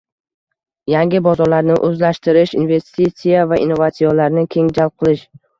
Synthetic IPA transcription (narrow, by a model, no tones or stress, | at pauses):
jaŋɡʲɪbɒzɒɾlaɾnɪʔɵzlaʃt̪ɪɾɪʃinve̞st̪it̪sijavaḭnːovat̪sijalaɾnɪkʲʰe̞ŋd͡ʒal̚ˠqʰɨlˠɪʃ